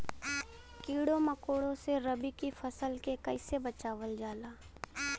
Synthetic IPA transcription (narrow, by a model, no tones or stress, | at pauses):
kiːɽomɐkoːɽõseɾɐbikifʰɐsəlkekɐɪsebɐt͡ʃaːʋəld͡ʒaːlaː